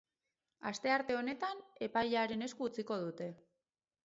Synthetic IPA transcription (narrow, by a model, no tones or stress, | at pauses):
ast̪e̞aɾt̪e̞o̞ne̞t̪ane̞pajʎaɾe̞ne̞skuːt͡siko̞ð̞ut̪e̞